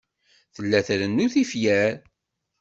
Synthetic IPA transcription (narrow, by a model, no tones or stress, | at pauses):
θəlːæθɾənːuθifjæɾ